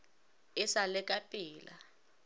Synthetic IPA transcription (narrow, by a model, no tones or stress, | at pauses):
ɪsalɛkʼapʼiːla̰